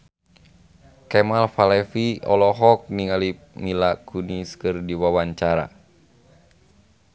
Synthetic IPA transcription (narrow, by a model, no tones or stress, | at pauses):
kɛmalfalɛfiɔ̰lɔɦɔk̚niŋalip̚milakʰuniskɨrdiwawaɲt͡ʃaɾa̰